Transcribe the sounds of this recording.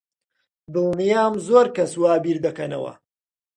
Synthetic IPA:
d̪ɨlˠnjaːmzoːɾkɐswaːbiːɾd̪ɐkɐnɐ̰wɐ̰

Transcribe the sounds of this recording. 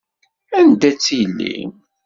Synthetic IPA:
ænd̪æt͡sːijlːḭ

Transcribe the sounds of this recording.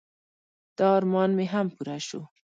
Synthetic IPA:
d̪̥ɑːɾmɑnmeɦampuɾaʃu

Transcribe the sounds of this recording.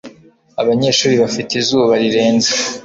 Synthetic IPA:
aβaɲe̞ʃuːɾiβafitizuːβaɾiɾe̞ːnze̥

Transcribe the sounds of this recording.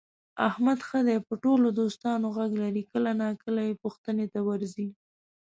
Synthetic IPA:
ahmad̪xəd̪ɛpəʈolod̪ost̪ɑnoɣaɡlaɾikəlanakəlajepuxt̪ənet̪awaɾzi

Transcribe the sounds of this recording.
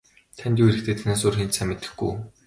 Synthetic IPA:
t̪ʰænʲt̪iːweɾɘ̆k̚t̪ʰeːt̪ʰænaːs̬orxent͡ɕ̪sæːmet̪ɘ̥̆xɡṵj

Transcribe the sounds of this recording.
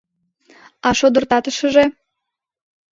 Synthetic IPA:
ɑʃod̪ə̆rt̪ɑt̪əʃə̆ʒe

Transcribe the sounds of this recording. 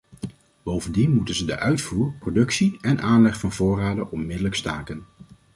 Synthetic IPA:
b̥owvəndinmutənzədə̰ʔœɥtfuːɹprodɵksiɛnʔaːnlɛχfɑnvʊːraːdəʔɔmmɪdələkstaːkən

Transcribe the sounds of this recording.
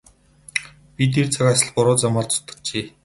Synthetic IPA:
pʲit̪̬ʰert͡sʰakasə̆ɮpʊɾʊːt͡samaːrt͡sʊ̥t̪ə̥̆kt͡ɕeː

